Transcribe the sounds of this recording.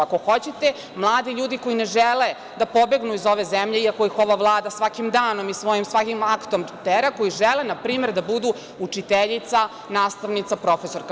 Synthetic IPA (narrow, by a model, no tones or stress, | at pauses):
ako̞xo̞t͡ɕet̪e | mlˠaːd̪iʎuːd̪iko̞jineʒele | d̪apo̞be̞ɡnuizo̞ʋe̞zemʎeiako̞ixo̞ʋaʋlˠaːd̪asʋakimd̪aːno̞misʋo̞jimsʋakimakt̪o̞mt̪eɾako̞jiʒelenapɾiːme̞ɾd̪abud̪u | ut͡ʂit̪eʎit̪sa | naːst̪aʋnit̪sapɾo̞feso̞ɾk